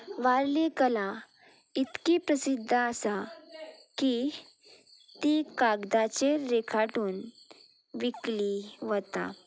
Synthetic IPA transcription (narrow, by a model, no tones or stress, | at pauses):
ʋaɾlikəla | it̪kipɾəsid̪ʱːəəsa | ki | t̪ikaɡd̪at͡ɕeɾekʰaʈuːn | ʋikliʋət̪a̰